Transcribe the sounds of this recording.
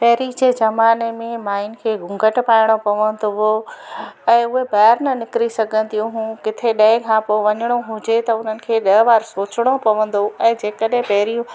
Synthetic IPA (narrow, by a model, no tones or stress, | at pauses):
pɐɦɾid͡ʑeːzɐmaːnemẽmaːɪnkʰeːɡʱʊ̃ŋɡʱəʈpaːɪɽ̃opɐʋə̃nd̪oɦo | ɛ̃ːʊɦebaːaɾnɐnɪkɾisɐɡʱə̃nd̪ijũɦũːkɪt̪ʰeɗɐ̃ɦɪ̃kʰãːpoʋɐɲəɽ̃oɦʊ̃d͡ʑet̪ɐʊn̤ənɪ̆kʰeːɗɐɦʋaːɾsoːt͡ɕɪɽ̃opɐʋə̃n̆d̪oɛ̃ːd͡ʑeːkəɗɦẽpɐɦɾijũ